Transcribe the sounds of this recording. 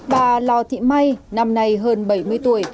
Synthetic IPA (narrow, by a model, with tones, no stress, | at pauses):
ɓaː˨˩lɔ˨˩t̪ʰḭ˧˨ma˧jna˧mna˧jɦəː˧nɓə˧˩jmɨ˧əjt̪u˧˩əj